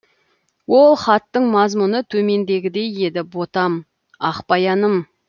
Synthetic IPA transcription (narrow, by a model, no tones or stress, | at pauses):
wo̞lˠχɑt̪ːəɴmɑzmʊnət̪ʰɵme̞nd̪e̞ɡʲɪd̪e̞je̞d̪ɪbo̞t̪ɑm | ɑqpɑjɑnəm